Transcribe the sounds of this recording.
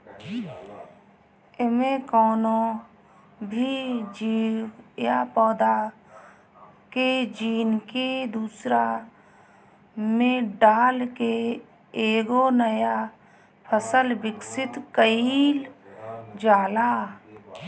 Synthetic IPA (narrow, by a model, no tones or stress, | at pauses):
ɪmẽkɔːnõ | bʱid͡ʒiːwjapɔːd̪a | ked͡ʒiːnked̪uːsɾa | mẽɖaːlke | eːɡonəja | pʰəsəlbɪksɪt̪kəiːl | d͡ʒaːlaː